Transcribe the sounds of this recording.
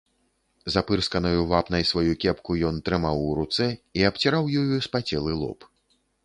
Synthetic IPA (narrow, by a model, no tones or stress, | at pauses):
zapɨrskɐnɐjuvapnɐjsvajukʲɛpkujɔnt̪ɾɨmawːɾut̪sɛiapt͡sʲiɾawjɔjuspat͡sʲɛlˠɨlˠɔ̰p